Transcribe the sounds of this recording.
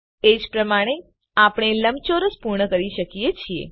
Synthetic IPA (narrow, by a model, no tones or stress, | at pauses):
ed͡ʒpɾəmaɽ̃e | apɳ̃eləmt͡ʃoɾəspuɾɳəkəɾiʃəkijet͡ʃʰiḛ